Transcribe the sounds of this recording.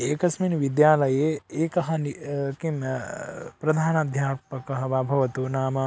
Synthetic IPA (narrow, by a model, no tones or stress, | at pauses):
eːkɐsminʋid̪jaːlɐjeːeːkɐɦɐnikem | pɾɐd̪ʱaːnɐd̪ʱjaːpɐkɐɦɐʋabʱɐʋɐt̪unaːmɐ